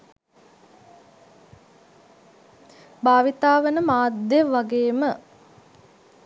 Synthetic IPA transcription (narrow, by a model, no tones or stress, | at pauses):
baːʋit̪aːʋənəmaːd̪jəʋaɡeːmə